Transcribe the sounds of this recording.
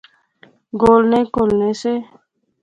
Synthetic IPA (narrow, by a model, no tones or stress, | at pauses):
ɡoːlnẽːkoːlneːseː